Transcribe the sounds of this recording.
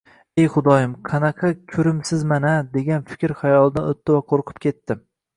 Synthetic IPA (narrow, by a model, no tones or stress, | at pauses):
ejχʊd̪ɒjɪmqʰɑnɑqʰɑkʲʰɵɾɪmsɪzmanad̪e̞ɡʲanfɪ̥kʲɾχajɒlˠd̪anot̪ːɪvaqʰoɾqʰʊ̥p̚kʲʰet̪ːɪ